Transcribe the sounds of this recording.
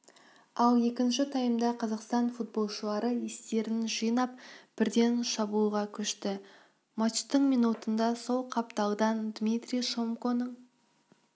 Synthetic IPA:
ɑlˠje̞kʲɪnʃɪt̪ʰɑjəmd̪ɑqʰɑzɑqst̪ɑnfut̪̚bo̞lˠʃəlˠɑɾəjest̪e̞ɾɪnʒijnɑp̚b̥ɪɾd̪e̞nʃɑbuːʁɑkʲʰʏʃt̪ɪ | mɑt̪t͡ʃt̪ːəɴmijnut̪ənd̪ɑso̞lˠqʰɑp̚t̪ɑlˠd̪ɑnd̪mʲit̪ɾijʃo̞mko̞nəɴ

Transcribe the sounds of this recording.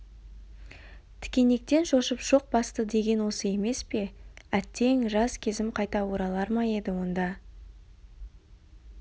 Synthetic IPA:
t̪ʰɪ̥kʲe̞ne̞k̚t̪e̞nʃo̞ʃəpʒ̥o̞q̚bɑst̪əd̪e̞ɡʲe̞nwo̞səe̞me̞spe̞æt̪ːe̞ŋʒɑskʲʰe̞zɪmqʰɑjt̪ɑwoɾɑlˠɑɾmɑje̞d̪ɪwo̞nd̪ɑ

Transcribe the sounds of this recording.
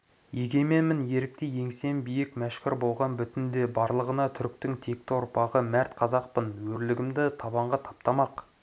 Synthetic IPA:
jeɡʲe̞me̞mɪnje̞ɾɪk̚t̪eje̞ŋse̞mbijɪkmæʃkʲɪɾbo̞lˠʁɑnbʏt̪ɪnd̪e̞bɑɾlˠəʁənɑt̪ʰʏɾk̚t̪ɪŋt̪ʰe̞k̚t̪ɪwʊɾpɑʁəmæɾt̪qʰɑzɑqpənwɵɾlɪɡʲɪmd̪ɪt̪ʰɑbɑɴʁɑt̪ʰɑ̥p̚t̪ɑmɑq

